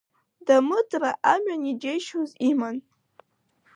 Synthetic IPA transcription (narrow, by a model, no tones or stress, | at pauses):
damɨdʼraʔamɥanid͡ʒejʃoziman